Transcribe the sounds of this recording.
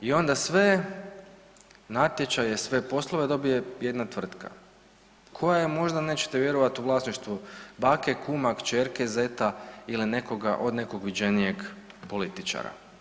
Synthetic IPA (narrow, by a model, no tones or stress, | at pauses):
io̞nd̪asʋe | nat̪je̞t͡ʃajesʋe̞po̞slˠoʋed̪o̞bije̞je̞d̪nat̪ʋr̩t̪kʰa̰ | kʰo̞jajemo̞ʒd̪ane̞t͡ʃe̥t̪eʋje̞ɾoʋat̪uʋlˠaːsniʃt̪ʋubake̞kumakt͡ʃeɾkezet̪ailine̞ko̞ɡa̰ʔo̞d̪ne̞ko̞ɡʋid͡ʑe̞nije̞ɡpo̞lit̪it͡ʃa̰ɾa̰